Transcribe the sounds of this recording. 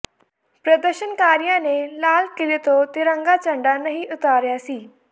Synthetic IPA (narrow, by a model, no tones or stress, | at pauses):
pɾəd̪əɾʃənkaːɾijãːneːlaːlkɪlet̪õːt̪eɾəŋɡaːt͡ʃə̃ɳɖaːnəɦĩːʔʊt̪aːɾjaːsiː